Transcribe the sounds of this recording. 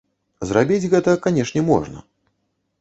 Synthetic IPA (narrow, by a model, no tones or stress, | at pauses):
zrabʲid͡zʲɣɛt̪ɐkanʲɛʂnʲɛmɔ̰ʐnɐ̰